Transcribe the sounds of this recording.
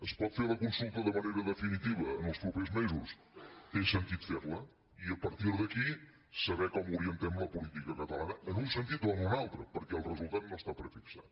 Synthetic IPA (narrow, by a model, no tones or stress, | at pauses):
əspɔt̪feɾləkunsulˠt̪əðəməneɾəðəfinit̪iβəːnəlˠspɾupezmezus | t̪esənt̪it̪feɾlə | iəpəɾt̪iɾðəki | səβɛkɔmuɾiənt̪ɛmləpulit̪ikəkət̪əlˠanəənunsənt̪it̪anənalˠt̪ɾəpəɾkɛəlˠrəzulˠt̪at̪̚nost̪apɾəfiksa̰t̪